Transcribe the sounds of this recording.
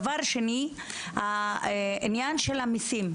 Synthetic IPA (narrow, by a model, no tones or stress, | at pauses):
vaʁʃeni | ha | injanʃelamisim